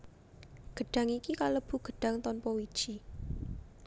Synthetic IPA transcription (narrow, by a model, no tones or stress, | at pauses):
ɡ̥ə̤ɖ̥ä̤ŋikikaləb̥ṳɡ̥ə̤ɖ̥ä̤ŋt̪ɔnpɔwid̥ʒ̥i